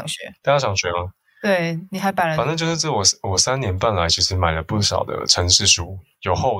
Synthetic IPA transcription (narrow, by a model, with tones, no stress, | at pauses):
ŋɕɥɛ˧˦t̪a˥˩t͡ɕa˥˩ʈ͡ʂʰɑ˨˥˦ŋɕɥɛ˧˥ɐ˧˦ | t̪we˥˩ɪni˨˩xa˧˥ɪpa˨˥ə˧˦a˨nə˥˧t͡ɕjo˥˧ʊʂ̩˥˧˩t͡s̩˥˩wɔ˨˩swɔ˨˩sa˥˦nnjɛ˧˥npa˥˩nla˧˦ɪt͡ɕʰi˧˥ʂɻ̩˨˧˦ma˨˩ɪlə˦pu˥˩ʂɑ̰˨˩ʊd̪ə̰˦ʈ͡ʂʰə˧˥ŋʂɻ̩˥˩ʂu˥ | jo˨˩ʊxo˥˧ʊ